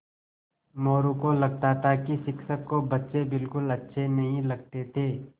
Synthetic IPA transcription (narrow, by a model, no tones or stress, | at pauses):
moːɾũkolɐɡ̚t̪at̪ʰakiʃɪkʃəkːobɐtːʃebɪlkʊlɐtːʃʰenɐɦĩlɐɡ̚t̪et̪ʰeː